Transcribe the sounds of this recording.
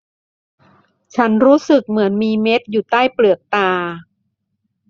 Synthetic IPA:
t͡ɕʰa˦˥nɾuː˦˥sɯ˨˩k̚mɯ˩˦ənmiː˧me˦˥t̪̚juː˨˩t̪aː˥˩jplɯ˨˩ək̚t̪aː˧

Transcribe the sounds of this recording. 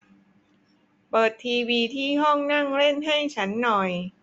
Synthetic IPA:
pɤː˨˩t̪ʰːiː˧wiː˧t̪ʰiː˥˩ɦɔ˥˩ŋna˥˩ŋɾe˥˩nɦa˥˩jt͡ɕʰa˦˥nːɔ˨˩j

